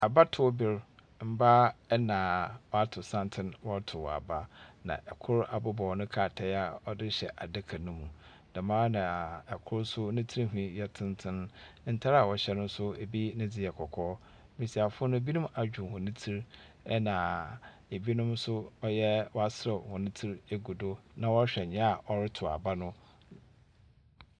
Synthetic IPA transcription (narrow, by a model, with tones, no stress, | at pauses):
a˨ba˦tʰʊ˨˦bɪ˦ɾ | m̩˦ba˦ɛ˦nã˨wɔ˦a˦tʰʊ˨sã˦ntʰɪ̃˦nwɔ˦tʰʊ˨a̰˨ba˦nã̰˨ʔɛ˨kʰʊ˦ɾa˨bʊ˦bɔ˨wnʊ̃˦kʰaː˨tʰɛ˦a˨ɔ˦dɪ˦ɕɛ˨ʔa˨dɪ˦kʰa˨nʊ̃˦mũ˨ | dã˨mãː˦nã˨ɛ˨kʰʊ˦ɾsʊ˦nɪ̃˦tʰi˦ɾi˦ɦᶣĩ˨˦jɛ˦tʰɪ̃˦ntʰɪ̃˦n˦n̩˦tʰa˦ɾa˨wɔ˨ɕɛ˦nʊ̃˦sʊ˦e˨bi˦nɪ̃˦d͡zɪ˨jɛ˨kʰɔ˨kʰɔː˦ | mĩ˨si˨a˨fʊ˦nʊ̃˦e˦bi˦nʊ̃˦mʔa˨d͡ʑᶣũ˨hʊ̃˨nɪ̃˦tʰi˦ɾ | ɛ˦nã˨ | e˨bi˦nʊ̃˦msʊ˦ɔ˦jɛ˦wɔ˦a˦sɪ˦ɾɛ˨hʊ̃˨nɪ̃˦tʰi˦ɾe˨ɡu˨do˦nã˦wɔ˦ɕᶣɛ˨ɲɛ̃˦a˨ɔ˨ɾɪ˦tʰʊ˨a̰˨ba˦nʊ̃˦